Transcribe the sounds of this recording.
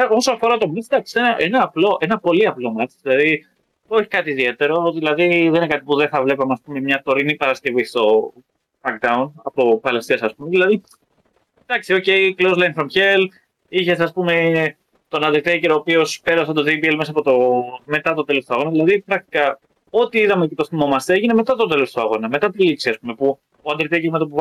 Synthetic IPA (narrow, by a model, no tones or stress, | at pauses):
o̞soɐfoɾɐt̪o̞mɐt͡sd̪ɐksi̥senɐʔenɐːplo̞ʔe̞nɐpo̞liɐplo̞mɐt͡ʃðilɐði | o̞çi̥kɐt̪iːðie̞t̪e̞ɾo̞ðilɐðiðeninekɐt̪ipuðeθɐvle̞pɐmeɐspume̞mɲɐt̪o̞ɾinipɐɾɐsce̞vist̪o̞ | mɐkd̪ɐunɐpo̞pɐlest̪iɐsɐspumeðilɐði | d̪̥ɐksio̞ce̞iklozlɐjnfɾomçel | içeseɐspume̞ | t̪onɐðet̪eiceɾoːpio̞spe̞ɾɐs̬ɐt̪oðipielmes̬ɐpo̞t̪ome̞t̪ɐt̪ot̪e̞lost̪uɐɣo̞nɐðilɐðipɾɐk̚t̪i̥kɐ | o̞t̪iiðɐmeocet̪o̞sθimo̞mɐst̪eeʝineme̞t̪ɐt̪o̞t̪̬e̞lo̞st̪oɐɣo̞nɐme̞t̪ɐt̪iliksiɐspume̞pu | oɐnd̪ɾet̪iciɣmopu